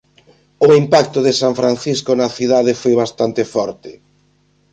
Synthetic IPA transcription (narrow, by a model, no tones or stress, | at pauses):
ʊimpak̚t̪ʊðɪsaɱfɾanθiskʊnɐθiðaðɪfojβast̪ant̪ɪfɔɾt̪ɪ